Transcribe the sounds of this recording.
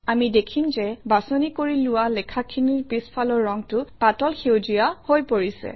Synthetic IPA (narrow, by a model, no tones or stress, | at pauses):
amidekʰimzɛbasonikoɹilʊwalɛkʰakʰiniɹpispʰalɔɹːɔŋtʊpatɔlxewzijahojpoɹisɛ̰